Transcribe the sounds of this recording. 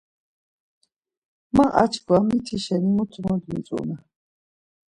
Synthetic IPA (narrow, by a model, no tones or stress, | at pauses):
maʔa̰t͡ʃʰɡwamit̪ʰiʃɛnimut̪ʰʼumɔd̪mḭt͡s̪ʼṵna